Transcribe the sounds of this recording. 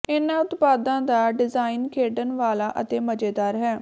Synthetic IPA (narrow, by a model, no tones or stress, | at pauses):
ɪnãːʊt̪paːd̪ãːd̪aːɖɪzaːinkʰeːɖənʋaːlaːʔət̪eːməd͡ʒeːd̪aːɾɦɛː